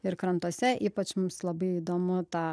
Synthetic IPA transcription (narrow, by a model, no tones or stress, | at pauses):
ɪɾkɾɐnt̪uɔsʲɛʔiːpɐt͡ʃmʊmslˠɐbɐɪiːd̪oːmʊt̪ɑː